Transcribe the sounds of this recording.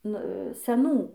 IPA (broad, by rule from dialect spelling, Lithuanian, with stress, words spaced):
ˈnʊ sʲɛˈnuː